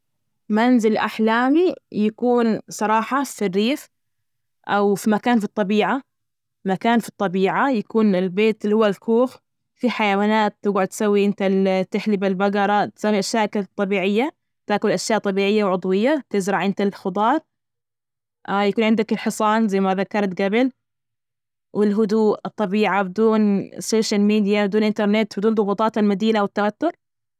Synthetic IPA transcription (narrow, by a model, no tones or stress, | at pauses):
manzɪlʔa̰ħlaːmijakuːnsˤɑɾˤɑːħɑfirːiːf | ʔawfimakaːnfit̪ˤːɑbiːʕa | makaːnfi̥t̪ˤːɑbiːʕajakuːnɪlbeːt̪lːihʊwːalkuːx | fiħajawaːnaːt̪ːɡaʕʊd̪̚t̪sawːiʔɪnt̪at̪ɪħlibɪlbaɡɑɾˤɑt̪sawːiʔaʃjaːʔkt̪ˤːɑbiːʕɪjːa | t̪aːkʊlʔaʃjaːʔt̪ˤɑbiːʕɪjːawʕʊd̪ˤwɪjːat̪ɪzɾˤɑʕʔɪnt̪alxʊd̪ˤɑːɾˤ | jakuːnʕɪnd̪akɪlħɨsˤɑːnzajmaðakːɑɾˤt̪ɡabɪl | wɪlɦʊd̪uːʔɨt̪ˤːɑbiːʕabɪd̪uːnsoːʃalmiːd̪jabɪd̪uːnʔɪnt̪ɑɾˤnɪt̪bɪd̪uːnðˤʊɣuːt̪ˤɑːt̪almad̪iːlawɪt̪ːawat̪ːʊɾ